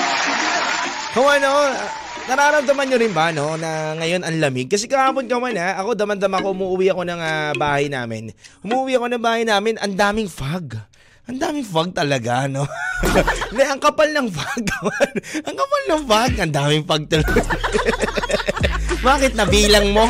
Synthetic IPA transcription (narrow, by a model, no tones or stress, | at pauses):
kɐwano | nɐɾaːɾɐmd̪ɐmɐnɲoɾɪnbɐno̞nɐŋɐjo̞nɐŋlɐmɪɡ̚kːɐsɛkɐhaːpo̞nkɐwanaʔɐko̞d̪ɐmɐnd̪ɐmɐkohʊmuːʔʊwiʔɐko̞nɐŋabaːhɐjna̰ːmɪ̰nʔʊmuːʔʊwiʔɐko̞nɐŋbaːhɐjnaːmɪnʔɐ̰nd̪aːmɪŋfaɡ | ʔɐnd̪aːmɪŋfaɡ̚t̪ɐlɐɡano̞ | nɛʔɐŋkɐpalnɐŋfaɡ̚kɐwanʔɐŋkɐpalnɐŋfaɡʔɐnd̪aːmɪŋfaɡ̚t̪ɐlɐj | baːkɪt̪̚nɐbiːlɐŋmo̞